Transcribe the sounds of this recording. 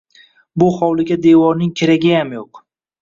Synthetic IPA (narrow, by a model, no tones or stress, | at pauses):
bʊχɒwlˠɪɡʲad̪e̞vɒɾnɪŋkʲʰeɾaɡʲɪjamjoq